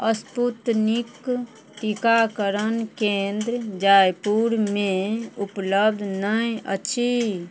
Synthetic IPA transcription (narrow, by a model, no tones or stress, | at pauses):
əsput̪nik | t̪ikakəɾənkẽnd̪ɾd͡ʒaːjpuɾmẽupləb̚d̪ʱnəĩə̰tːʃʰi